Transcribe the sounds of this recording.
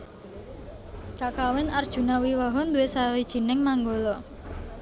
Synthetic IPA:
kaʔkawɛnard̥ʒ̥ṳnawiwaɦɔnd̪uwesawid̥ʒ̥i̤nɪŋmaŋɡolɔ

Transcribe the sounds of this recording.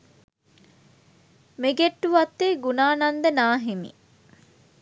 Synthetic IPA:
meɡeʈːuʋɐt̪ːeːɡunaːnɐnd̪ɐnaːɦimḭ

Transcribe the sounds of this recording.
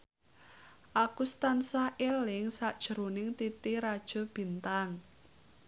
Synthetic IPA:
ʔakust̪ansahʔelɪŋsaʔd̥ʒ̥ə̤ɾonɪŋt̪it̪iɾad̥ʒ̥ɔ̤b̥i̤nt̪aŋ

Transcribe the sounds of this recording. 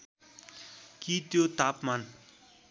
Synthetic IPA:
kit̪jot̪apman

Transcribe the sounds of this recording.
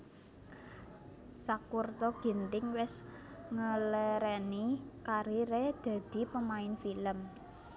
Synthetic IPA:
sakurt̪ɔɡ̥i̤nt̪ɪŋwɪs | ŋəleɾɛnikaɾiɾed̪̥a̤d̪̥i̤pəmaɪnfiləm

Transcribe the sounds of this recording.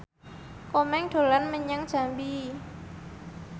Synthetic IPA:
komɛŋɖ̪̥o̤lanməɲəŋd̥ʒ̥a̤mbi

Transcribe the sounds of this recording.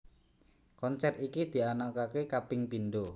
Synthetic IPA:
kɔnt͡ʃɛt̪ikid̪̥i̤anakakekapɪŋpindo

